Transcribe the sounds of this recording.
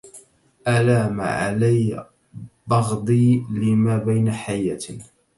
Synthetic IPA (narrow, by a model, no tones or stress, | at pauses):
ʔalaːma̰ʕa̰laj | bɑɣd̪ˤiːlɪmaːbajnaħajːat̪